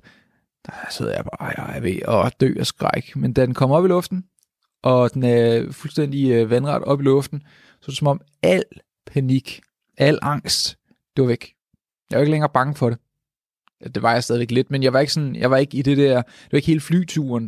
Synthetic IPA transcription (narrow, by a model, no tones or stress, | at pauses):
d̥ɑ̥sæ̰ð̰ˠjɑ̈ɪb̥ɑ̈ːæʋḛɒd̥ø̰ːɒsɡ̥ʁɑɪɡ̥mend̥æd̥enkʰɒ̽m̰ɒ̽b̥ilɔ̽fd̥n̩ | ʔɒ̽d̥enæɐfulsd̥en̰d̥iʋænʁɑ̈d̥ɒ̽b̥ilɔ̽fd̥n̩ | sɒ̽d̥sɒ̽mɒ̽m | æl̰ | pʰæniɡ̥ | æl̰ʔɑ̈ŋ̰sd̥ | d̥e̝ʋɑ̈ʋeɡ̥ | jɑɪʋeɡ̥əleŋɐːb̥ɑ̈ŋəfɒ̽ɾ̥e | d̥e̝ʋɑ̈jɑsdɛðˠiʋe̝ɡ̥le̝d̥menjɑʋɑ̈e̝ɡ̥sɒ̽njɑ̈ɪʋɑ̈e̝ɡ̥əid̥e̝d̥æɐ̰ | d̥e̝ʋɑ̈e̝ɡ̥he̝ːləfly̰ːt͡sʰṵːɐn